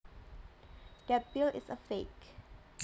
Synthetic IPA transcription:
d̥ɛt̚bilɪ̰səfek

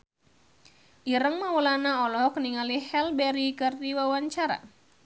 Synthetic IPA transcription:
ʔiɾəŋmawulanaɔlɔkəniŋalihɛlbɛɾikɨrt̪iwawaɲt͡ʃaɾa̰

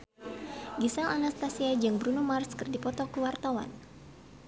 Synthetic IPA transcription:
ɡisalanast̪asiad͡ʒɨŋbɾunumarskɨrdipɔt̪ɔkuwart̪awa̰n

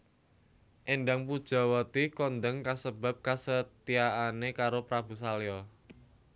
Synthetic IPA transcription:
ʔenɖaŋpud̥ʒ̥a̤wət̪ikɔnd̪əŋkasəb̥a̤p̚kasət̪iaʔanekaɾopɾabṳs̬aleɔ

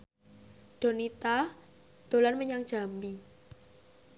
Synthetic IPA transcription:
ɖ̪̥o̤nit̪a | d̪̥o̤lanməɲaŋdʒ̥a̤mbi

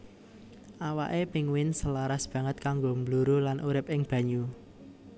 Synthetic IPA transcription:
ʔawa̰ʔepɪŋwɪnsəlaɾasb̥ä̤ŋət̪̚kaŋɡombluɾulanʔuɾɪp̚ɪŋb̥ä̤ɲu

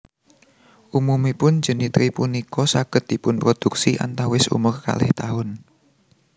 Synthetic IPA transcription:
ʔumumipʊn̥d͡ʒ̥ə̤nit̪ɾipunikɔsaɡ̥ə̤t̪̚d̥̪i̤pʊnpɾod̪̥uk̚siʔa̰nt̪awɪsṵmʊrka̰lɪ̰ht̪aɦʊn

